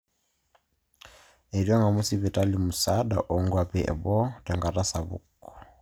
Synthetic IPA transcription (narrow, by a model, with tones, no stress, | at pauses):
ɛ˨ɾja˦ŋɡa˨mu˦si˦βɛ˨ta˦limu˨saɗa̰˨ʔɔ˨ŋɡwa˨pɛ˦ɛ̰˨bɔ˦tɛ˨ŋɡa˨ta˦sa˨βṵkɔ̥˨